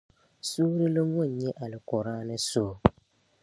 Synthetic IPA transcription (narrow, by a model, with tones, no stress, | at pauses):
suː˦ɾɪ˦lo˦ŋɔ˦˨n˨ɲɛ˦ʔa˨lɪ˨kɔ˨ɾaː˦nɨ˦soː˦